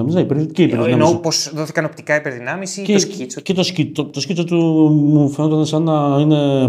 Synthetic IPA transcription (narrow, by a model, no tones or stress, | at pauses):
ɐmiznɐipɾceipeɾðinɐmnoposðoθi̥kɐno̞pt̪ikɐipeɾðinɐmisicet̪osciot̪o̞scit͡sot̪umufeno̞t̪ɐnesɐnɐine̞